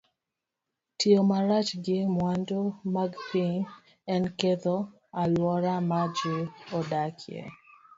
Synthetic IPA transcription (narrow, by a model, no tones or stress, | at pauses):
tiomaɾat͡ʃɡɪmwandomaɡpiŋ | ɛnkeðo | alwɔɾamad͡ʒiɔdakʰjḛ